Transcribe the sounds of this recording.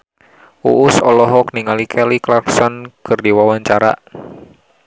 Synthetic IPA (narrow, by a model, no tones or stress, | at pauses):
ṵʔʊsɔlɔɦɔkniŋalikʰɛliklaksɔnkɨrdiwawaɲt͡ʃaɾa̰ʔ